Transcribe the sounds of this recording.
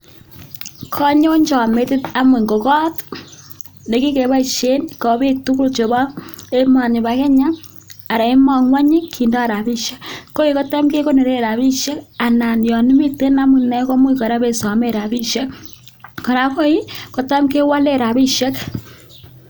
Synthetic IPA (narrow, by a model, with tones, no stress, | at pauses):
kʰɔ˦ɲo˦ɲt͡ʃɔ˨me˦tɪ˦ta˦mu˨ŋɡo˨kɔ˦t | ne˨ki˦ke˨βa˦˨ʃe˦nkɔ˨bi˦k̚tu˦ku˦lt͡ʃo˨ba˦e˦ma˨nɪ˨ba˨kɛ˦ɲa˦ | a˨ɾa˨e˦mɔ˦ŋwa˦ɲi˦kʰi˨ndɔ˦a˨ɾa˨bi˦ʃɛ˦kkːo˦i˦kɔ˦ta˦mke˦ko˦ne˨ɾe˦˨ɾa˨βi˦ʃɛ˦ka˨na˨njɔ˨ni˦mi˦te˦na˦mi˨nɛ˦kɔ˦mwu˦kɔ˨ɾa˦βe˨sɔ˨me˦ɾa˨bi˦ʃɛ˦k | kɔ˨ɾa˨ko˦i˦kɔ˨ta˦mke˦wa˦le˦˨ɾa˨bi˦ʃɛ˦k